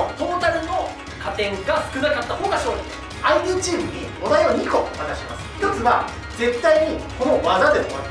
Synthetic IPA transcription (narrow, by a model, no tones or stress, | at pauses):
t̪o̞ːt̪aɾɯ̟no̞ | kat̪ẽ̞ŋɡaɸɨ̥kɯ̟nakat̪ːaho̞ːɡaɕoːɾoe | aiɲʲɯːt͡ɕiːmɯ̟ɲ̟i | od̪ajoɲʲiːko̞βak̪aɕimasɨ̥jo̞t͡sɨβa | d͡ze̞t̪ːaiɲ̟iko̞no̞βazad̪e̞mo̰ma